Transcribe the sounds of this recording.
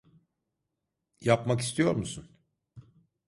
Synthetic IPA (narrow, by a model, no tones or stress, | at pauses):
japmaki̥st̪ʰijo̞ɾmusun